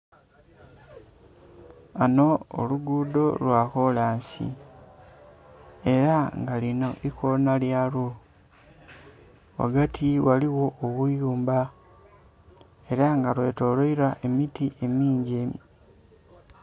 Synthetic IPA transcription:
ano̞o̰luɡuːdo̞lwaːkolaːɲsḭ | e̞ɾaŋɡalino̞ʔikonaljalo | wa̰ɡatʰiwaliwo̞oβujuːmba | e̞ɾaŋɡalwe̞to̞loiɾaʔe̞mitiʔe̞miːɲɟe

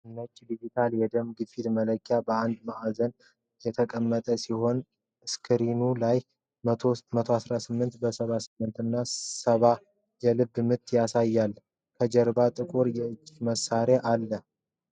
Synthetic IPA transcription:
nət͡ʃʼːd̪id͡ʒit̪ʰaljɛd̪əmɡɨfid̪mələkʰʼːjabəand̪maʔazən | jɛt̪ʰəkʼəmːət̪ʼəsiho̞n | ɨskʰɨɾinulajʰ | mət̪ʰoasɾasɨmːɨnt̪bəsəβasɨmːɨnt̪ɨnːasəβa | jɛlɨbːmɨt̪ʰːjasajːalː | kʰəd͡ʒɛɾbat̪ʼɨkʼuɾjɛɨd͡ʒːiməsːaɾeʔalːə

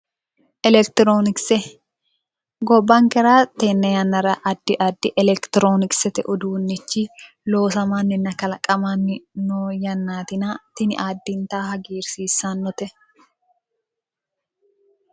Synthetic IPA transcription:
ʔɛlɛkt̪ɪɾoːnɪksɛ | ɡɔbːɐŋkɛɾaːt̪ɛnːɐjɐnːɐɾɐʔɐd̪ːɪʔɐd̪ːɪʔɛlɛkt̪ɪɾo̞ːnɪksɛt̪ɛ̰ʔʊd̪uːnːɪt͡ʃːɪ | lo̞ːsɐmanːɪnːɐkɐlɐkʼɐmanːɪnojɐnːaːt̪ɪnat̪ɪnɪʔaːd̪ːɪnt̪aːhɐɡiːɾsiːsːanːɔt̪ɛ

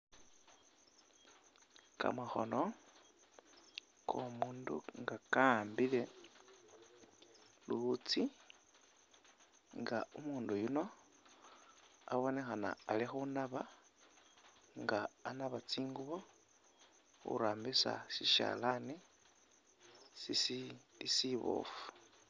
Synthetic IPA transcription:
ka̰maxo̰no | kʰomuːndṵŋɡakambile̞ | luut͡si | ŋɡaumuːndujuno̞ | aβo̞nexana̰ːlixunaβa | ŋɡaːnaβat͡siːŋɡuβo | xṵɾaːmbisa̰ʃiʃa̰lani | sisiisiβo̰fu̥

